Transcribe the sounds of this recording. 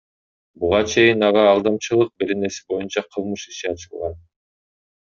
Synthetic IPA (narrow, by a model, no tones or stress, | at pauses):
buʁɑt͡ʃʰe̞jinɑʁɑːlˠd̪ɑmt͡ʃɯlˠɯq̚be̞ɾe̞ne̞si̥bo̞junt͡ʃɑqʰɯlˠmɯʃiʃiɑt͡ʃɯlˠʁɑn